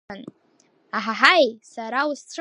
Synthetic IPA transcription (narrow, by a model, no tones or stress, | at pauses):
an | aħaħajsaɾaust͡sʷʰ